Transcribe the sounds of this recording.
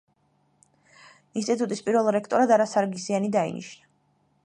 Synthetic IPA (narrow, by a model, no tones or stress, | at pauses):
inst̪ʼit̪ʼut̪ʼispʼiɾvɛlˠiɾɛkʰt̪ʼɔɾad̪aɾasaɾɡisianid̪aḭnḭʃna